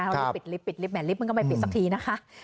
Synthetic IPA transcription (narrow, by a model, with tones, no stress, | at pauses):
wpi˨˩t̪̚li˦˥pːi˨˩t̪̚li˦˥p̚mɛː˩˦li˦˥ma˧nkʰma˧jpi˨˩sa˩k̚t̪ʰiː˧na˦˥kʰa˦˥